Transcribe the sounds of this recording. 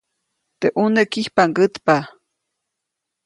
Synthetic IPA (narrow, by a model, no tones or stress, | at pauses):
t̪eʔunekihpaŋɡət̪pa